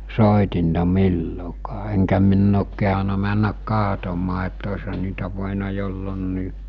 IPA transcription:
soˑitintɑ milːokɑː eŋkæ minː oːk kehɑnɑ mænːæk kɑɦtomɑː etː oshɑn̆ niːtæ ʋoˑenɑ jolːonːiː

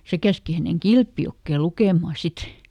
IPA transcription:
se kæski hæneŋ kilpjokːeˑ lukeˑmɑˑ sit

